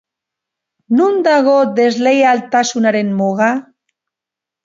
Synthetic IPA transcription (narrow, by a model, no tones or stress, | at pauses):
nund̪aɣod̪e̞zlejalt̪asunaɾe̞nmoɣa